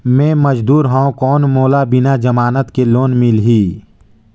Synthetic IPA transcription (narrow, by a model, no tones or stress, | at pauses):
mẽːməd͡ʒd̪uːɾɦãõkɔːnmoːlabɪnad͡ʒəmaːnət̪keloːnmɪlɦiː